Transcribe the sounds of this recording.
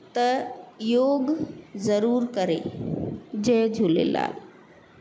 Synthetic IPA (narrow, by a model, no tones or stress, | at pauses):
t̪ɐjoːɡzəɾuːɾkəɾḛ | d͡ʒeːd͡ʒʱulḛla̰ːl